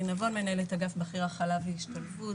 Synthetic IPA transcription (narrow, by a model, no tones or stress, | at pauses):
inavo̞nme̞naelet̪aɡafbaχiʁaχalaveiʃt̪alfu